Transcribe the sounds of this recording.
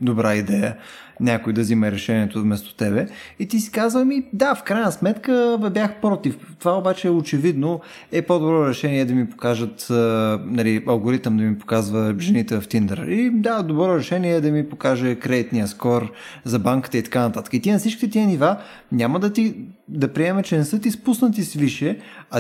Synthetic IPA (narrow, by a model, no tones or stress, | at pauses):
d̪obɾaid̪ɛjə | nʲakʊid̪ɐzimɛɾɛʃɛniɛt̪ovmɛst̪o̥t̪ɛbɛit̪isi̥kazvəmid̪afkɾajnəsmɛt̪kəbjaxpɾɔt̪ift̪ovaobat͡ʃɛot͡ʃɛvid̪no | ɛpod̪obɾɔɾɛʃɛniɛd̪ɐmipo̥kaʒət̪ːnɐliɐlˠɡoɾit̪əmd̪ɐmipo̥kazvəʒɛnit̪ɛvft̪ind̪ə̰ɾid̪ad̪obɾɔɾɛʃɛniɛd̪ɐmipokaʒɛkɾɛd̪it̪nijəskɔɾzɐbaŋkə̥t̪əit̪ɐ̥kanɐt̪at̪ə̥kəit̪inɐfsit͡ʃkʲit̪ɛt̪iəniva | nʲaməd̪ɐt̪id̪ɐpɾiɛmɛt͡ʃɛnɛsɤt̪ispusnət̪isviʃɛɐ